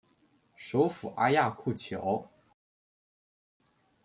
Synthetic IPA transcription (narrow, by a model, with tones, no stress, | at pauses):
ʂo˧˥ʊfu˨˩ʔa̰˥ja˥˧kʰu˥˩t͡ɕʰjo̰˧˥˦ʊ